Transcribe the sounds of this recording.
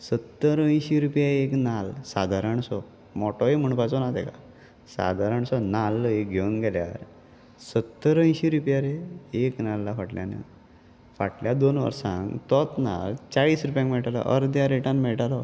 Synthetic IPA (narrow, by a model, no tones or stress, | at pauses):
sət̪ːəɾə̃j̃ɕiɾupjaeknalsad̪ʱaɾəɳsɔ | mɔʈɔem̤əɳpat͡sɔnat̪ɛ̰ka̰ | sa̰d̪ʱaɾəɳsɔnalekɡʱeʋənɡɛlja̰ɾ | sət̪ːəɾə̃jɕiɾupjaɾeeknalːafaʈlja̰nḛ | faʈljad̪onʋə̰ɾsã̰ŋɡt̪ɔt̪na̰lt͡ɕaɭiːsɾupjãŋkmɛɭʈalɔ̰ʔə̰ɾd̪jaɾeʈãnmɛɭʈalɔ